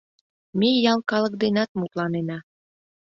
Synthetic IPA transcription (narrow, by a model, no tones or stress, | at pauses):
mejɑlˠkɑlə̆k̚d̪enɑt̪̚mut̪lɑnenɑ